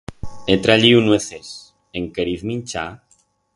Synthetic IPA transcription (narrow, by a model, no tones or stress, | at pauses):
et̪ɾaʎiunweθes | eŋkeɾiθmĩnt͡ʃa̰